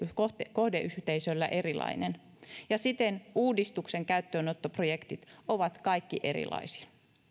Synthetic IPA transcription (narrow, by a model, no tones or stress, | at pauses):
ot̪kohdeʔyht̪eisølːæ̰ʔe̞rilɑ̰inen | jɑsit̪enuːdist̪ukseŋkæyt̪ːøːnot̪ːoprojekt̪it̪oʋɑt̪kɑikːiʔeɾḭlɑ̰isi̥ɑ̥